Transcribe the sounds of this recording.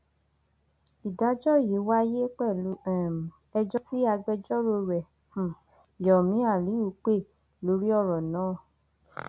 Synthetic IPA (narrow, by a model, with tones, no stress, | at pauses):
i˨da˨˦d͡ʒɔ˦˨ji˨˦wa˦je˦k͡pɛ˦˨lu˨˦˨ | ɛ˧d͡ʒɔ˦si˦a˧ɡ͡bɛ˦d͡ʒɔ˦ɾo˧ɾɛ̃˨ | jɔ˨mĩ˨˦a˦˨li˨˦u˧˦k͡pe˦˨ | lo˨˦ɾi˦ɔ˦˨ɾɔ˨nãː˨˦˨